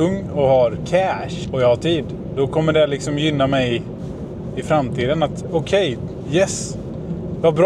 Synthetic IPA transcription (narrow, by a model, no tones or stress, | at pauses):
ɵŋːɔhaɾkʰæʂɔjɑhaʈʰiːd̪ | d̪ɔkʰɔmːəɖɛlɪksɔmjʏnːamɛj | ɪfɾamt̪ʰiːd̪ənat̪ɔkʰɛj | jɛs | vabɾ